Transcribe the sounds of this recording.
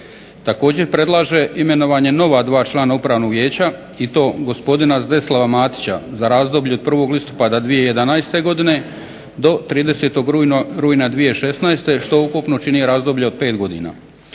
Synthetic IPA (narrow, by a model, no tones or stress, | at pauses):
t̪ako̞ːd͡ʑe̞ɾpɾe̞d̪lˠaːʒe̞ime̞no̞ʋaːɲe̞no̞ʋad̪ʋaːt͡ʃlˠaːnaupɾaːʋno̞ɡʋje̞ːt͡ɕa | it̪o̞ːɡo̞spo̞d̪inazd̪eslaʋamaːt̪i̥t͡ɕa̰zaɾaːzd̪o̞ːbʎuod̪̚pr̩ʋo̞ɡlist̪o̥pad̪ad̪ʋije̞je̞d̪anaest̪e̞ɡo̞d̪ine̞ | d̪o̞t̪ɾiːd̪e̞set̪o̞ɡɾuːjnad̪ʋije̞ʃe̞snaest̪e̞ʃt̪o̞ukupnot͡ʃinieɾaːzd̪o̞bʎeod̪̚pe̞ːt̪ɡo̞d̪ḭːna̰ː